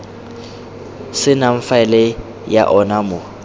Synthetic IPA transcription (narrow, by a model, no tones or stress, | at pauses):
sɪnaɱ̩faɛlɛ | ja̰ʔɔnamʊ